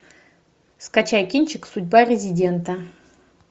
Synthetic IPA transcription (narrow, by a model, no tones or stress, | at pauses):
skat͡ʃajkʲinʲt͡ʃɪksʊdʲbarʲɪzʲidʲent̪ɐ